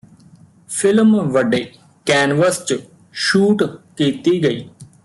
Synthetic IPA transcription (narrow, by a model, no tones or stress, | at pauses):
pʰɪlmʋəɖeː | kɛːnʋəst͡ʃ | ʃuːʈkiːt̪iːɡəḭː